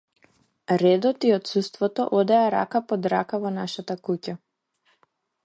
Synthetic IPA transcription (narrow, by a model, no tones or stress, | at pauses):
ɾɛd̪ɔt̪iɔt̪sust̪vɔt̪ɔ̰ʔɔd̪ɛaɾa̰kapɔd̪ɾakavɔnaʃat̪akuca